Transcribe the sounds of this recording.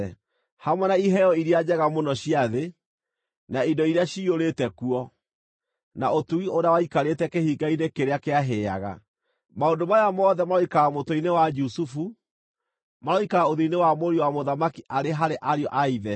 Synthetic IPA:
hamwɛnaiɦɛjɔiɾiad͡ʑɛɣamonɔɕiaðe | naindɔiɾeaɕioɾetɛkuɔ | naotuɣioɾawaikaɾetɛkehiɡainekeɾeakeaɦea̰ɣa̰ | maondomajamɔðɛmaɔikaamotoinewad͡ʒusufu | maɾɔikaɣaoðiinewamoɾiwamoðamakiʔaɾeɦaɾeʔaɾjɔʔaiðɛ

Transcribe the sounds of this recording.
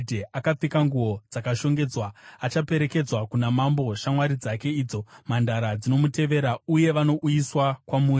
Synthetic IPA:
dʱeʔakap͡fikaŋɡuo̞d͡zakaʃo̞ŋɡe̞d͡zwaat͡ʃape̞ɾe̞ke̞d͡zwakunamambo̞ʃamwaɾid͡zake̞iːd͡zo̞mandaɾad͡zino̞mute̞ʋe̞ɾauje̞ʋano̞ʔujiswakwamuːr

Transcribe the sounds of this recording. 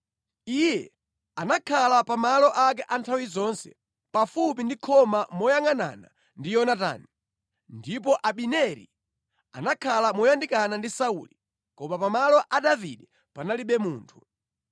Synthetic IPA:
ijɛ | anakʰalapamalɔʔak̬ɛʔantʰawizɔnsɛ̰ | pafupindikʰɔmamɔjaŋana̰na̰ | ndijɔnata̰ːni | ndip̬ɔʔaɓinɛɾḭ | anakʰalamɔjandikanandisaṵli | kɔmapamalɔʔaɗavḭɗɛ | panaliɓɛmuːntʰu̥

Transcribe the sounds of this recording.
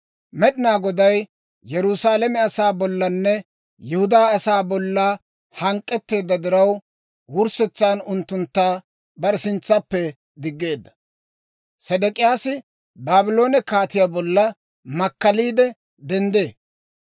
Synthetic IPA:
mɛɗɪnaːɡɔd̪ɐj | jɛɾusaːlɛmɛɐsaːbɔlːɐnːɛ | jɛhʊd̪aːsaːbɔlːa | hɐŋkʼːɛt̪ːe̞ːd̪ːɐd̪ɪɾɐw | wʊɾsɛt͡sːaːnʊnt̪ːʊnt̪ːaː | bɐɾsɪnt͡sːɐpːɛ | d̪ɪɡːe̞ːd̪ːɐ̥ | sɛd̪ɛkʼɪjaːsɪ | baːbɪlo̞ːnɛkaːt̪ɪjabɔlːɐ | mɐkːɐliːd̪ɛ | d̪ɛnd̪e̞ː

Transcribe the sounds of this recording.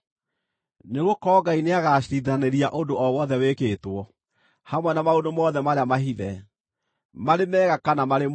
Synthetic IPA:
neɣokɔɡaineaɣaɕɾiðaneɾiaʔodoʔɔwɔðɛwekeːtwɔ | hamwɛnamaodomɔðɛmaɾeamaɦiðɛ | maɾemɛːɣakanamaɾem

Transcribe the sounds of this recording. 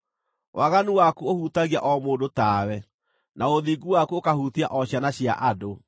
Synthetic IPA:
wʔaɣanuwakuohutaɣia̰ʔɔmoːdotaːwɛ | naoðiːɡuwakuokahutia̰ʔɔɕjanaɕja̰ʔado

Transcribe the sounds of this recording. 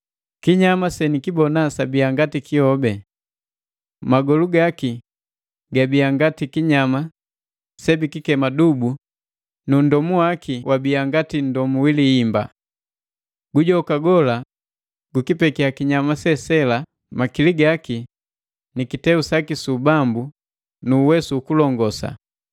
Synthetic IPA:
kiɲamasɛnikibɔnasabiaŋɡatikihɔbɛ | maɡɔluɡaki | ɡabiaŋɡatikiɲama | sɛbikikɛmadubu | nun̩dɔmuwakʰiwʔabiaŋɡatin̩dɔmuwiliimba̰ | ɡ̥uɟɔkaɡɔla | ɡukipɛkiakiɲamasɛsɛla | makiliɡaki | nikitɛusakisubambu | nuːwɛsuːkulɔŋɡɔsa̰

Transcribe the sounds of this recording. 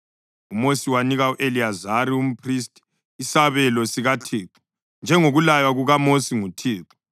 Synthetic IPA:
umosiwaniɣauʔeliazaɾium̩pʰristʼi̥ | isaβɛlɔsiɣatʰiːǁɔ̥ | nd͡ʒʱɛŋoɣulajwaɣuɣamosiŋutʰiːǁɔ̥

